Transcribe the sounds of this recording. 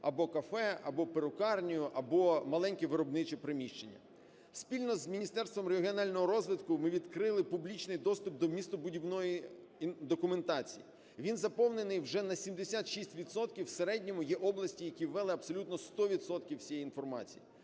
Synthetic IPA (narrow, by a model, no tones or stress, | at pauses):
ɐbɔkɐfɛɐbɔpeɾʊkɑrnʲijʊʔɐbɔmɐlˠɛnʲkʲiʋɪɾɔbnɪt͡ʃipɾɪmʲiʃt͡ʃenʲːɐ̰ | spʲilʲnɔzmʲinʲist̪ɛrst̪ʋɔmɾeɦʲiɔnɑlʲnɔɦɔɾɔzʋɪd̪kʊmɪʋʲid̪kɾɪlˠɪpʊblʲit͡ʃnɪjd̪ɔst̪ʊp̚d̪ɔmʲist̪ʊbʊdʲiwnɔji | d̪ɔkʊment̪ɑt͡sʲḭji | ʋʲinzɐpɔwne̞nɪjwʒɛnɐsʲimd̪esʲat̪ʃisʲtʲʋʲid̪sɔt̪kʲiwseɾɛdʲnʲɔmʊjɛʔɔblˠɐsʲtʲijɐkʲiwːɛlˠɪɐpsɔlʲut̪nɔst̪ɔʋʲid̪sɔt̪kʲiwsʲijɛjinfɔrmɑt͡sʲḭji